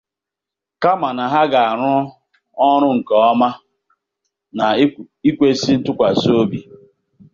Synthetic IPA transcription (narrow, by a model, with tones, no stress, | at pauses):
ka˦ma˨na˨ɦa˦ɡa˨a˨ɾʊ˦ | ɔ˦ɾ̃ʊ˦ŋ̩˨kɔ˨˦ɔ˦ma˦ | na˨ | i˦kʷe˦si˦n̩˦tʊ˦kʷa˨so˦bi˨